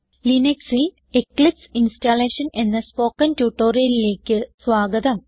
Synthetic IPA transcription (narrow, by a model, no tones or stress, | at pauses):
lineksil | eklipsinsʈaːleːʂɐne̞nːɐspo̞ːkːɐntjuʈːo̞ːrijɐlile̞ːkʲːɨsʋaːɡɐd̪ɐm